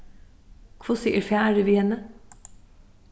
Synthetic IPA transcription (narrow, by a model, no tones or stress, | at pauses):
kʰʋoːsiːəɾfææːɖʉʋiːhɛnə